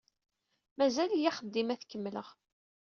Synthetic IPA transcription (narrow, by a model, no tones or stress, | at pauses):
mæzæljiχəd̪ːimæθkəmːləʁ